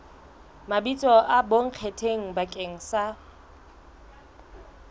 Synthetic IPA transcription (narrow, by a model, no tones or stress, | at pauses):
mabit͡sʼɔʔaboŋ̩q͡χʰetʰeŋ̩bakʼeŋ̩sa